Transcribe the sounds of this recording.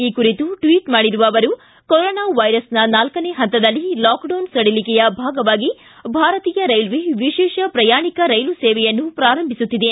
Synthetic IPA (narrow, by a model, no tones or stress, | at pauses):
iːkuɾit̪uʈʋiːʈmaːɽiɾuʋɐːʋɐɾu | koɾɔːnaːʋɐjɾɐsnɐnaːlkɐneːɦɐnt̪ːɐd̪ɐlːilaːkɖɐwnsɐɽilikɛjɐbʱaːɡɐʋaːɡi | bʱaːɾɐt̪iːjɐɾɐjlʋeʋiʃɛːʃɐpɾɐjaːɳikɐɾɐjlusɛːʋɛjɐnːupɾaːɾɐmbʱisut̪ːid̪e